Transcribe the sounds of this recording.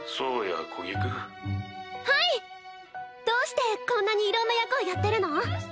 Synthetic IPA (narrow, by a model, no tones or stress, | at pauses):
soːja̰kʰoɡʲikɯ | hai | d̪̥o̞ːɕi̥t̪e̞kõ̞nːaɲ̟iːɾõ̞nːajakɯːjat̪ːeɾɯ̟no̞